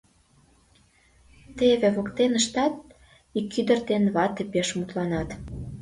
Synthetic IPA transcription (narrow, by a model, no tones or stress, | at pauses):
t̪eβĕβokt̪enəʃt̪ɑt̪̚ | ikːyd̪ə̆rt̪enβɑt̪ĕpeʃmut̪lɑnɑt̪